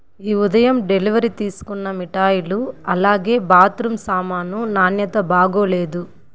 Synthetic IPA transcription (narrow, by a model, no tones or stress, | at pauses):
iːud̪ɐjɐmɖe̞liʋɐɾit̪iːsu̥kunːɐmiʈaːjiluɐlaːɡe̞ːbaːt̪ɾumsaːmaːnunaːnjɐt̪ɐbaːɡoːle̞ːd̪u